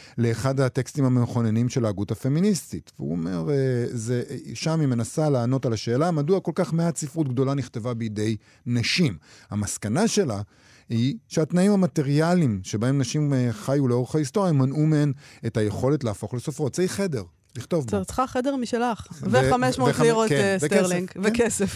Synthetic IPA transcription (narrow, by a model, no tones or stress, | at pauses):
le̞ːχadhate̞kstimhameχo̞nenimʃe̞laːɡuthafe̞ministitveṵo̰me̞̰ʁezeʃamime̞nasalaːno̞talaʃe̞ːlamaduako̞lkaχmeasifʁut̚ɡ̚do̞laniχt̪e̞vabejide̞j | naʃimhamaskanaʃe̞la | hiʃeatnaimamate̞ʁialimʃe̞bae̞mnaʃimeχajuleo̞ʁeχaisto̞ʁjamanumeenetaje̞χo̞le̞tleafo̞χlesofʁo̞tz̥eiχe̞de̞ʁ | liχt̪o̞vt͡sχaχedeʁmiʃelaχveameʃmoeiʁotseteʁsliŋɡvekesef